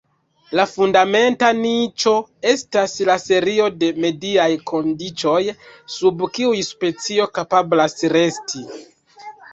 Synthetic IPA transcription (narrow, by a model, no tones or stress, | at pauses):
lafundame̞ntanit͡ʃo̞e̞staslase̞ɾio̞de̞me̞diajkʰo̞ndit͡ʃo̞jsubkiujspe̞t͡sio̞kapablasɾe̞stʰi